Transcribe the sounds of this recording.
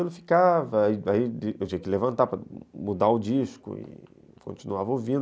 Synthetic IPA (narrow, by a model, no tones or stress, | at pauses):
elʊfi̥kavɐiaiewt͡ʃĩɲɐkɪlevɐ̃nt̪apɾɐmud̪aʊd͡ʒiʃkʊ̰ɪ̰ | kõ̰t͡ʃinuavovĩ